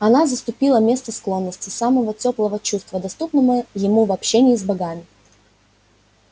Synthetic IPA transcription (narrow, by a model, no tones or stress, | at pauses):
ɐnazəst̪ʊpʲilˠəmʲe̞st̪əsklˠo̞nːəsʲtʲɪsaməvətʲo̞plˠəvət͡ɕust̪vəd̪ɐst̪upnɨvəjɪmuvɐpɕenʲɪːzbɐɡamʲɪ